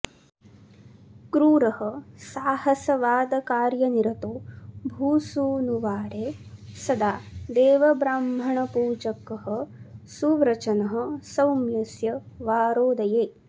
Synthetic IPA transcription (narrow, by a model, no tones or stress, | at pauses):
kɾuːɾɐɦɐsaːhɐsɐʋaːd̪ɐkaːɾjɐniɾɐt̪oːbʱuːsuːnuʋaːɾeːsɐd̪aːd̪eːʋɐbɾaːmbʱɐɳɐpuːd͡ʒɐkɐɦɐ̆suʋɾɐt͡ʃɐnɐɦɐ̆sɐwmjɐsjɐ | ʋaːɾoːd̪ɐjeː